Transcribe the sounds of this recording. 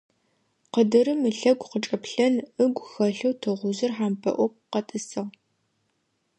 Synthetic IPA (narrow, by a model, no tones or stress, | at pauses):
qədɨɾɨmɨɬɐɡʷqət͡ʃʼɐpɬɐnɨɡʷxɐɬɐwtʰɨʁʷʊzɨrħaːmpʰɐ̰ʔʷɔp̚ʷqɐtʼɨsɨʁ